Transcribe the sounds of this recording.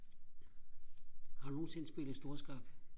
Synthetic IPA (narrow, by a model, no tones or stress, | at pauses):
hɑ̈noːn̩se̝nsb̥e̝lð̩ˠsd̥o̝ːɐsɡ̥ɑ̈ɡ̥